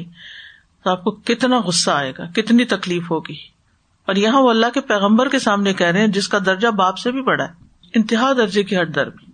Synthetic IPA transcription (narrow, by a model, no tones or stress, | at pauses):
t̪oaːp̚kokɪt̪naɣʊsːaaːḛːɡa̰ːkɪt̪nit̪ɐkliːfɦoːɡiː | ɔːɾjɐɦãʋoɐlːaɦkepɛːɣə̃mbəɾkesaːmnekɛɦɾeɦɛ̃d͡ʒɪskad̪ɐɾd͡ʒabaːpsebʱibɐɽaɛː | ɪ̃nt̪ɪɦaːd̪ɐɾd͡ʒekiɦɐʈ̚d̪ɐ̰ɾbiː